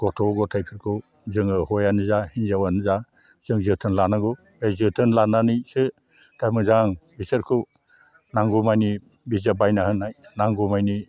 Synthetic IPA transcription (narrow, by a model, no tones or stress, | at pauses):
ɡ̥ɔtʰɔɡɔtʰajpʰɯɾkʰɯw | zɯŋɯhɔjanɯzahinzawanɯza | z̥ɯŋzɯtʰɯnlanaɡɔ | ezɯtʰɯnlananɯjsɯ | tʰajmɯzaŋbisɯɾkʰɯw | naŋɡumajni | bizabajnahɯnːajnaŋɡumajni